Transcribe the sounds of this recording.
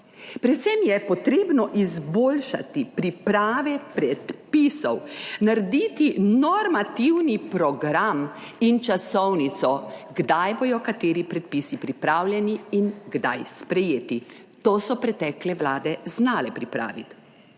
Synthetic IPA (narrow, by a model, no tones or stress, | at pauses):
pɾɛt̪sɛmjɛpɔt̪ɾeːbnɔʔizboːlʃa̰t̪ipɾipɾaːʋɛpɾɛt̪pisɔwnaɾed̪it̪inɔɾmat̪iwnipɾɔɡɾamint͡ʃasɔwnit̪sɔɡd̪ajboːj̪ɔkat̪eːɾipɾɛt̪̚pisipɾipɾaːwljɛniːnɡd̪a̰jspɾɛjeːt̪i | t̪oːsɔpɾɛt̪ɛklɛʋlaːd̪ɛznaːlɛpɾipɾa̰ːʋit̪